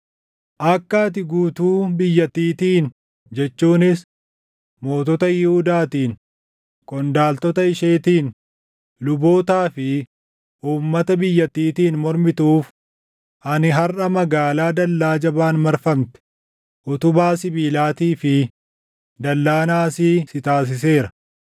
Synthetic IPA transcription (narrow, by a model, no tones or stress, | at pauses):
ʔɐkːat̪̬ɪɡuːt̪uːbɪjːɐt̪ːiːt̪iːn | d͡ʒɛt͡ʃːuːnɪs | mo̞ːt̪ɔt̪ɐjɪhʊd̪aːt̪iːn | kʼɔnd̪aːlt̪ɔt̪ɐɪʃe̞ːt̪iːn | lʊbo̞ːt̪aːfɪ | ʔuːmːɐt̪ɐbɪjːɐt̪ːiːt̪iːnmɔɾmɪt̪uːf | ʔɐnɪɦɐrʔɐmɐɡaːlaːd̪ɐlːaːd͡ʒɐbaːnmɐɾfɐmt̪ɛ̥ | ʔʊt̪ʊbaːsɪbiːlaːt̪iːfɪ | d̪ɐlːaːnaːsiːsɪt̪aːs̬ɪs̬e̞ːɾɐ̥